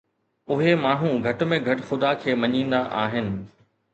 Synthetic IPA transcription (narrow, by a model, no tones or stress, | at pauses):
ʊɦemaːɳ̤ũɡʱɐʈʊ̆mẽɡʱɐʈxʊd̪akʰeːmɐɲĩːnd̪aʔaːɦɪnɪ̆